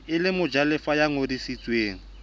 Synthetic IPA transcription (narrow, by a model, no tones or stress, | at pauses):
ɪlɪmʊd͡ʒalɪfajaŋodisit͡sʼweːŋ̩